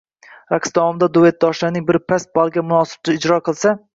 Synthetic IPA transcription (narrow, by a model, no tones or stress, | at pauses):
ɾaqsd̪ɒmd̪ad̪uvet̪̚d̪ɒʃlanɪŋbɪɾpʰæs̚bɑlˠɡʲamʊnɑːsɨ̥b̚t̪ɪɪd͡ʒɾɒqʰɨlˠsa